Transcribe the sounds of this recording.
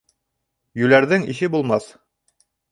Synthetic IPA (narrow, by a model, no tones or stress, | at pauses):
jʉlæɾðɘŋḭɕɘbulˠmɑθ